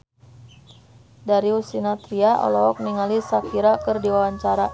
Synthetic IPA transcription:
daɾiusinat̪ɾiaʔɔ̰lɔɦɔk̚niŋalisakiɾakərdiwawaɲt͡ʃaɾa

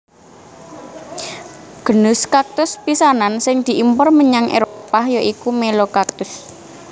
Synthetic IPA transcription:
ɡ̥ə̤nʊskak̚t̪ʊspisanansɪŋd̪̥i̤ʔimpɔrməɲaŋʔḛɾopahjɔʔikumelokak̚t̪ʊs

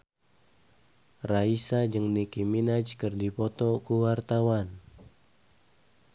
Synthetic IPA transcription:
raisad͡ʒəŋnikiminat͡ʃkərdipɔt̪ɔkuwart̪awan

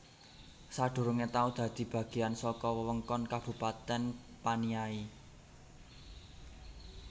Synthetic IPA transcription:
saɖ̥ṳɾʊŋet̪aud̪̥ä̤d̪̥i̤b̥ä̤ɡ̥i̤ansɔkɔwəwəŋkɔnkab̥ṳpat̪ɛn | paniai

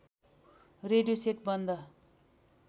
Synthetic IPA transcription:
reɖijoseʈbʌnd̪ʌ

